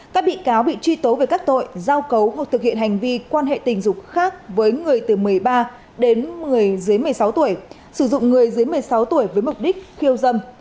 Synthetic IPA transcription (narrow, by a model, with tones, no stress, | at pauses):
kaː˦˥k̚ɓḭ˧˨kaː˨˦wɓḭ˧˨t͡ɕwi˧t̪o˨˦ve˧˨˩kaː˦˥k̚t̪o̰˧˨jzaː˧wkə˨˦wɦa˨˩t̚t̪ʰɨ˨˩k̚hḭ˧˨ə˨nha˨˩jŋ̟vi˧kwaː˧nhḛ˧˨t̪ï˨˩ŋ̟zʊ˨˩k͡p̚xaː˦˥k̚vəː˨˦jŋɨ˨˩əjt̪ɨ˨˩mɨ˨˩əjɓaː˧ | ɗe˨˦nmɨ˨˩əjzɨ˨˦əjmɨ˨˩əjsa˨˦wt̪u˧˩əj | sɨ˧˩zʊ̰˧˨ŋ͡mŋɨ˨˩əjzɨ˨˦əjmɨ˨˩əjsa˨˦wt̪u˧˩əjvəː˨˦jmʊ˨˩k͡p̚ɗï˦˥k̟̚xi˧əwzə˧m